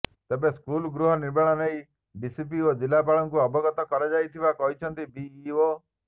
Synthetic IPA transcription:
t̪ebeskulɡɾuɦɔniɾbeɭ̃ɔneĩ | bisip̬iod͡ʒilapaɭɔŋkuɔbɔɡɔt̪ɔkɔɾad͡ʒajt̪ʰibakɔɦit͡ʃʰɔnt̪ibiio

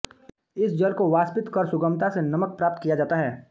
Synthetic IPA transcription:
ɪsd͡ʒɐlkoʋaːspɪt̪kɐɾsʊɡəmt̪asenɐmək̚pɾaːp̚t̪kijad͡ʒaːt̪aɦɛː

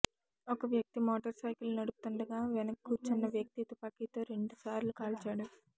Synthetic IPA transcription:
ɔkɐʋjɐk̚t̪imɔːʈɐɾsɐjkilnɐɽuput̪uɳɖɐɡaːʋɛnɐkːut͡ʃinːɐʋjɐk̚t̪it̪upaːkit̪oːɾe̞ɳɖusaːɾlukaːlt͡ʃaːɽu

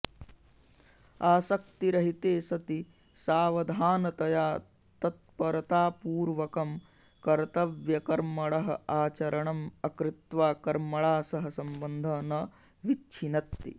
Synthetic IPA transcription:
aːsɐk̚t̪iɾɐɦit̪eːsɐt̪i | saːʋɐd̪ʱaːnɐt̪ɐjaː | t̪ɐt̪̚pɐɾɐt̪aːpuːɾʋɐkɐm | kɐɾt̪ɐʋjɐkɐɾmɐɭɐɦɐ̰aːt͡ʃɐɾɐɳɐmɐkɾɪt̪ʋaːkɐɾmɐɭaːsɐɦɐsɐmbɐnd̪ʱɐːnɐ | ʋitːt͡ʃʰinɐt̪ːḭ

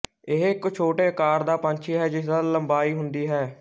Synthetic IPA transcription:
ɪɦɪkːt͡ʃʰoːʈeːkaːɾd̪aːpəɲt͡ʃʰiːɦɛːd͡ʒɪsd̪aːləmbaːiːɦʊnd̪iːɦɛː

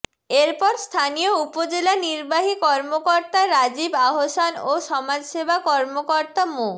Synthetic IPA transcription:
eɾpɔɾst̪ʰanijoupod͡ʑelaniɾbaɦikɔɾmokɔɾt̪aɾad͡ʑibaɦosanoʃɔmad͡ʑʃebʱakɔɾmokɔɾt̪amo

